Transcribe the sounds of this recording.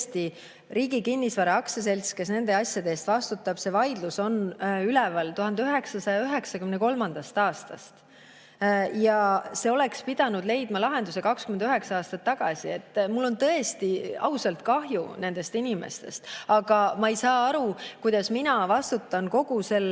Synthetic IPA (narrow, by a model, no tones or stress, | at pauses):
st̪i | riːɡikinːisvɑɾɑɑkses̬e̞lʲske̞sne̞nd̪̥e̞ɑsʲjɑd̪eːst̪vɑst̪ut̪ːˑɑb̥se̞vɑjd̪luso̞nylɛvɑlt̪uɦɑnd̪eyɦe̞ksɑsɑjɑyɦe̞ksɑkymneko̞lmɑnd̪̥ɑst̪ɑːst̪ɑ̰st̪ | jɑse̞o̞le̞kspid̪̥ɑnud̪le̞jd̪̥mɑlɑɦe̞nd̪use̞kɑkskyme̞nd̪yɦe̞ksɑɑːst̪ɑt̪ːɑɡ̥ɑsie̞t̪ːˑmulːo̞nt̪ɤe̞st̪iɑ̰usɑlt̪kɑɦjṵne̞nd̪̥e̞st̪inimḛst̪e̞st̪ɑɡ̥ɑmɑejsɑːɑɾukujd̪ɑsminɑvɑst̪ut̪ːˑɑnko̞ɡ̥use̞l